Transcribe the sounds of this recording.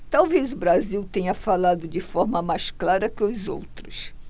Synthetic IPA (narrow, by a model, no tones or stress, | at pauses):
t̪awvezʊbɾaziwt̪ẽɲɐfalad̪ʊd͡ʒɪfɔɾmɐmajsklaɾɐkɪʊzo̰wt̪ɾʊs